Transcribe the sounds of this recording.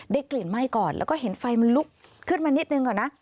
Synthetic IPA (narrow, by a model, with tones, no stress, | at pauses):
ɗa˧˥jkli˨˩n̚ma˧˩jkɔː˨˩nlɛ̰˧˦˥wkɔː˧˥˩he˨˦nfa˧jma˧nlu˦˥k̚kʰɯ˦˥ən̚maː˧ni˦˥t̪̚nɯ˧ŋkɔː˨˩nːa˨˦˥